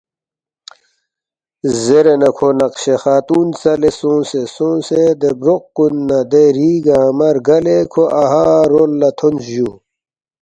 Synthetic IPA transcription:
zeɾenɐkʰonɐqɕexaːt̪uːnt͡sɐlesõːnsesõːnsed̪ebɾoqːunːɐd̪eɾiːɡamɐɾɡɐlekʰoʔɐɦaːɾolːɐt̪ʰonsjuː

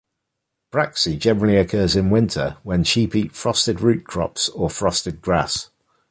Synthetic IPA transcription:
b̥ɹaksid͡ʒɛnəɹəliəkʰɜːzɪ̃nwɪ̃ntʰə̰wə̃nʃiˑpiˑtfɹɒstɪdɹʉˑʔkʰɹ̥ɒ̰psəfɹɒstɪd̚ɡɹas

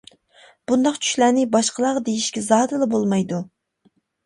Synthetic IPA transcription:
b̥und̪ɑqt͡ʃʰy̥ʃlænɪbɑʃqəlˠɑʁɑd̪ejiʃkʲɛzɑːd̪ɨlˠɨbolˠmɑjd̪u

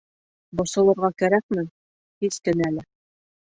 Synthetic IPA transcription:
bŏsɤ̆lˠɤ̆ɾʁɑkæɾæk̚mɘ | hiskɘ̆næælɘ

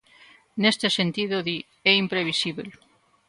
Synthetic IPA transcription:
nest̪esent̪iðoði | ɛimpɾeβ̞isiβḛl

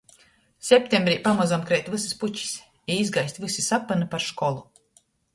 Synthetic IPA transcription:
sʲepʲt̪ʲembɾiːpamazamkɾɛjt̪vɨsisput͡ʃi̥sʲ | iizɡajsʲt̪ʲvɨsisapːanɨpaɾʃkɔlˠu

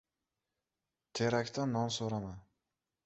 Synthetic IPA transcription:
t̪ʰeɾakʲt̪ʰanːɒnsoɾaman

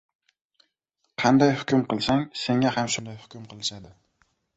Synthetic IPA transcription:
qʰɑnd̪ɑjhʊkʲʊmqɨlˠsaŋseŋɛhæmʃʊnd̪ajhʊ̥kʲʊmqʰɨlˠɪʃad̪ɪ

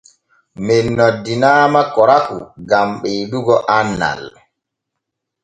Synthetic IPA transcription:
mɛnːɔdːinaːmakɔɾakuɡamɓɛɗuɡɔʔanːa̰l

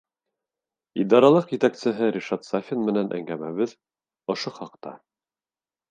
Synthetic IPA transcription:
id̪ɑɾɑlˠɤqjɘ̆t̪æksɘ̆ɦɘɾʲiʃat̪safʲinmɘ̆nænʔæ̰ŋɡæmæβɘð | ŏʃoχɑq̚t̪ɑ̰

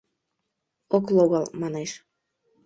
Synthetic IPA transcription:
oklˠoɣɑlˠmɑneʃ

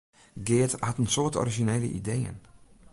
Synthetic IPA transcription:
ɡɪːthɑtənsoːtɔ̰riʒineːlə̰ʔḭdejə̰n

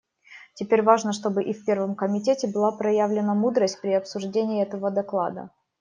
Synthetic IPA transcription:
tʲɪpʲeɾʲvaʐnəʂt̪o̞bɨʔifʲpʲe̞rvəmkəmʲɪtʲetʲɪbɨlˠapɾɐjavlʲɪnəmud̪ɾəsʲt̚ʲpɾʲɪɐpsʊʐdʲenʲɪɪɛt̪əvəd̪ɐklˠa̰d̪ə̰

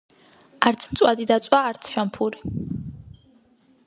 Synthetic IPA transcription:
aɾt̪sʰmt̪sʼwad̪id̪at̪sʼwaːɾt̪sʰʃampʰuɾi

